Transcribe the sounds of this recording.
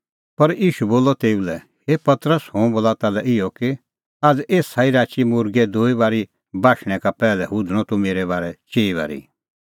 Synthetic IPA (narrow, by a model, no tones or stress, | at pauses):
pɐɾiːʃuboːlɔt̪eːulɛ | hepɐt̪ɾəshõːboːlat̪alɛʔɪjɔkɪ | aːd͡zeːsaːiɾaːt͡ʃimʊɾɡɛd̪oːibaːɾi | baːʃɽ̃ɛ̃kapɛːlɛɦʊd̪ɽ̃ɔt̪umeːɾɛβaːɾɛt͡ʃeːiβa̰ːɾḭ